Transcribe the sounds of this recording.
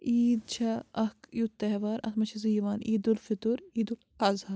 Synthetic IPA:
iːd̪̚t͡ʃʰɐɐkjut̪ːɐɦʋaːɾɐ̰t̪ʰmɐt͡ʃʰɐziːʋaːniːd̪ulfit̪uɾiːd̪ul | ɐzhaː

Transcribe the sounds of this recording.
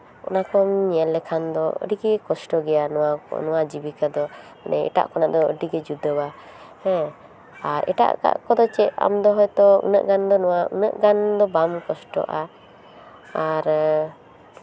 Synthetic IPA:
ɔ̰nakɔmɲɛɛlːɛkʰand̪ɔə̰ɖiɡɛkɔsʈɔɡɛjanɔanɔwad͡ʒibikad̪ɔ | nɛ̰ɛ̰ʈa̰ʔkɔnaʔd̪ɔəɖiɡɛd͡ʒud̪əba | hɛ̃ | aɾɛ̰ʈa̰ʔka̰ʔkɔd̪ɔt͡ʃɛa̰md̪ɔɦɔjt̪ɔṵnə̰ʔɡand̪ɔnɔwaṵnəʔɡand̪ɔbamkɔsʈɔ̰ʔa | aɾ

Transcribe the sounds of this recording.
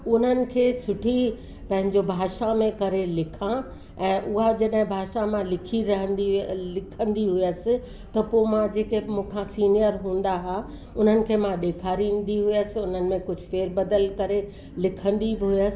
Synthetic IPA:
ʊn̤ənɪ̆kʰeːsʊʈʰi | pɐ̃ɦɪ̃ɲd͡ʑobʱaːʃamẽkɐɾelɪkʰã | ɛ̃ːʔʊɦad͡ʑɐɗɦɪ̃bʱaːʃamãlɪkʰiɾɐɦə̃nd̪ilɪkʰə̃nd̪iɦʊjəsɪ̆ | t̪ɐpomãd͡ʑeːkemũːkʰãsiːnijəɾɦũːn̆d̪aɦa | ʊn̤ənɪ̆kʰeːmãɗeːkʰaːɾĩːnd̪iɦʊjəsɪʊn̤ənɪ̆mẽkʊd͡ʑʱʊfeːɾbɐd̪əlkɐɾe | lɪkʰə̃nd̪ibɪɦʊjəsɪ̥̆

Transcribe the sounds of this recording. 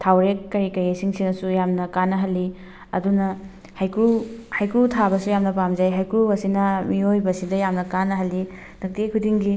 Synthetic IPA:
tʰawɾekːɐɾikɐjesiŋsinɐsujamnɐkanɐɦɐlːi | ɐ̰dunɐ | hajkuhajkutʰabɐsujamnɐpamd͡ʒajɦajkuɐsinɐmiojbɐsidɐjamnɐkanːɐɦɐlːi | dɐk̚tikʰudiŋɡi

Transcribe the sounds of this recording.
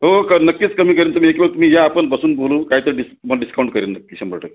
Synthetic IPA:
ɦookənəkːiːt͡skəmiːk̬əɾiːnt̪um̤ĩːekbeɡ̚t̪um̤iːjaːpəɳbəsuːnbʱolukaɦiːt̪əɾɖisməɖiskauɳʈ̚kəɾinnəkːiɕembə̰ɭʈə

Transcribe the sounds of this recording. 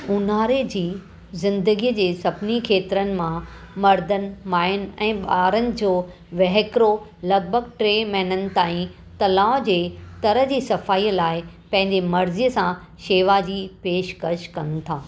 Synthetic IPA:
ʊnaːɾed͡ʑiː | zɪ̃nd̪əɡijəd͡ʑeːsɐbnikʰeːt̪ɾənɪ̆mã | mɐɾd̪ən̆maːɪn̆ɛ̃ːɓaːɾənɪ̆d͡ʑoː | ʋɐɦɪkɾolɐɡ̚bʱəɡ̚ʈɾeːmɛːnənɪ̆t̪aːĩ | t̪ɐlaːʋd͡ʑeːt̪ɐɾəɦd͡ʑiːsɐfaːiːəlaːɪ | pɐ̃ɦɪ̃ɲd͡ʑemɐɾzijəsã | ʃeːʋad͡ʑiːpeːʃkɐʃkɐn̆t̪ʰaː

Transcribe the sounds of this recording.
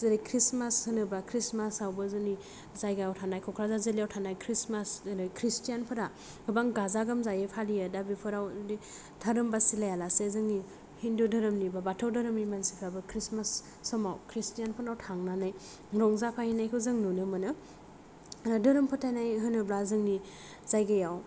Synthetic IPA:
zɯɾekʰɾismashɯnɯbakʰɾismasawbazɯni | zajɡajawtʰanajkʰɔkʰɾazazeliawtʰanajkʰɾismasnɯjkʰɾistijanpʰɯɾa | ɡɯbaŋɡazaɡɯmzajepʰalijadabipʰɯɾawni | tʰaɾɯmbasilajalasezɯŋni | hindudɯɾɯmnibabatʰawdɯɾɯmnimansipʰabɯkʰɾismasː | ɔmawkʰɾistijanpʰɯnawtʰaŋnanaj | ɾɔŋzapʰahinajkʰɯwzɯŋnunɯmɯnɯ | ɾadɯɾɯmpʰɯtʰajnajɦɯnɯblazɯŋni | zajɡajaw

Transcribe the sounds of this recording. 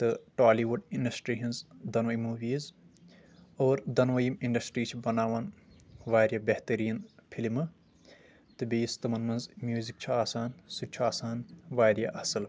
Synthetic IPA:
t̪ɨʈaːliʋuɖiɳɖɐsʈɾiːɦinzd̪ɐnʋɐjmuːʋiːz | oːɾd̪ɐnʋɐjimiɳɖɐsʈɾiːt͡ʃʰibɐnaːʋɐnʋaːɾʲjaːbeht̪ɐɾiːnpʰilimɨ | t̪ɨbiːist̪ɐmɐnmɐnzmjuːzik̚t͡ʃʰuaːsaːnsut͡ʃʰuaːsaːnʋaːɾjaʔɐsɨl

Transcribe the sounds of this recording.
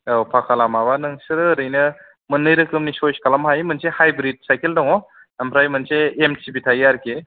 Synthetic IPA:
awpʰakʰalamabanɯŋsɯɾɯɾɯjnɯ | mɯnːɯjɾɯkɯmnisojskalamhajmɯnsehajbɾit̚sajkeldɔŋɔ | ampʰɾajmɯnseemsibitʰajaɾke

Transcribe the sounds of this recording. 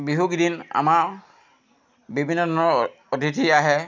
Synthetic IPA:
biɦukdina̰maɹ | bibʱinːɔdʱɔnɔɹ | odʱitʰiaɦɛ

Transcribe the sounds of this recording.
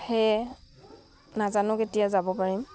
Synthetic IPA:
hej | nazanʊketijazabɔpaɹim

